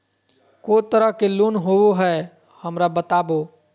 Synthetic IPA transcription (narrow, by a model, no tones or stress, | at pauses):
kot̪əɾəɦkeloːnɦooɦɛ | həmɾabət̪aːbo